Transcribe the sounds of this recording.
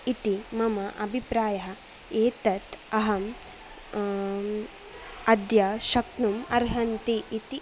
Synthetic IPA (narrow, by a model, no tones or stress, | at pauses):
it̪imɐmɐʔɐbʱipɾaːjɐɦɐ | eːt̪ɐt̪ɐɦɐm | ɐd̪jɐʃɐknumɐɾɦɐnt̪iːt̪i